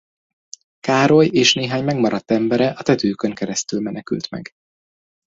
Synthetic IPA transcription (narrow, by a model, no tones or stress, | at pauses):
kaːɾo̞jeːʃneːɦaːɲmɛɡmɒɾɒt̪ːɛmbɛɾɛʔɒt̪ɛt̪øːkø̞ŋkɛɾɛst̪ylmɛnɛky̰lt̪mɛ̰ɡ